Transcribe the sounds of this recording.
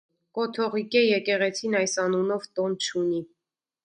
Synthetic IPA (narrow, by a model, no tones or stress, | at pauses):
kɔt̪ʰɔʁikɛjɛkɛʁɛt͡sʰinɑjsɑnunɔvt̪ɔnt͡ʃʰuni